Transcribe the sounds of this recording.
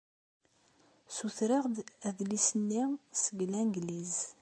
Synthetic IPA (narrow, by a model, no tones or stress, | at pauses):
suθɾɪʁd̪æðlisənːisəɡlænɡliz